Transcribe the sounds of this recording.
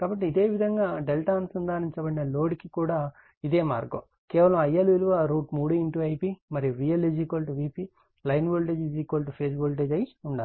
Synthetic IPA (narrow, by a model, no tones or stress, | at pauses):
kaːbɐʈːiːd̪e̞ːʋid̪ʱɐŋɡaːɖelʈaːnsund̪aːniɲt͡ʃɐbɐɽinɐlo̞ːɖkikuːɽaː | id̪e̞ːma̰ːɾɡɐ̰ | kɛːʋɐlɐmɐjːɐlʋiluʋaɾuːʈmuːɽuiɳʈuːɐjpimɐɾiuɾijɐlid͡ʒikɐlʈuʋiːpi | lɐjnboːlʈed͡ʒid͡ʒiːkolʈupʰeːsboːlʈ̬eːd͡ʒɐjuɳɖaː